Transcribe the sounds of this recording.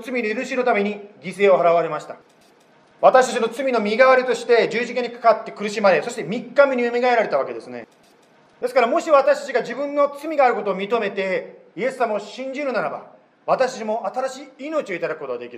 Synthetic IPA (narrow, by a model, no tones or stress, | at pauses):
t͡sɨmʲid̪eɾɯ̟ɕino̞t̪ame̞ɲ̟iɡʲise̞ːo̞ɦaɾaβaɾe̞maɕi̥t̪ḁ | βat̪aɕi̥t̪ḁt͡ɕino̞t͡sɨmʲino̞mʲiɡaβaɾʲit̪o̞ɕi̥t̪e̞d͡ʑɨːʑikaɲ̟ikḁkat̪ːe̞kɯɾɯ̟ɕimaɾe̞so̞ɕi̥t̪e̞mʲikːamʲiɲʲiɯmʲiɡaeɾaɾe̞t̪aβake̞d̪e̞sɨnḛ | d̪e̞sɨ̥kaɾamo̞ɕiβat̪aɕi̥t̪at͡ɕiɡad͡ʑibɯ̟̃nːo̞t͡sɨmʲiɡaːɾɯ̟ko̞t̪o̞ːmʲit̪o̞me̞t̪e̞ie̞sɨːamaoɕĩɲ̟d͡ʑiɾɯ̟naɾaba̰ | βat̪aɕt̪at͡ɕimo̞ʔat̪aɾaɕiːino̞t͡ɕio̞it̪ad̪akɯ̟kot̪oad̪e̞kʲiɾ